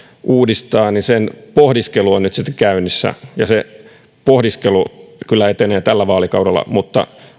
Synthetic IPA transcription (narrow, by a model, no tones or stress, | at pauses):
ʔuːdist̪ɑːnisenpohdiskeluonnyt̪sit̪ːkæynisːæ̰jɑse | pohdiskelukylːæet̪eneːt̪ælːæʋɑːlikɑudelːɑ̰mut̪ːɑ̰